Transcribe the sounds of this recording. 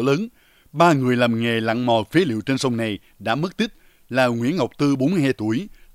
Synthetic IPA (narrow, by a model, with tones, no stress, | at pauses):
ləː˨˦n | ɓaː˧ŋɨ˨˩əjlaː˨˩mŋe˨˩la̰˧˨ŋmɔ˨˩fe˨˦lḭ˧˨əwt͡ɕe˧nsə˧wŋ͡mna˨˩j | ɗa̰ː˧˥m˦˥k̚t̪ï˦˥k̚ | laː˨˩ŋwḭ˧˥nŋa˨˩wk͡p̚t̪ɨ˧ɓo˨˦nmɨ˧jhaː˧jt̪u˧˩əj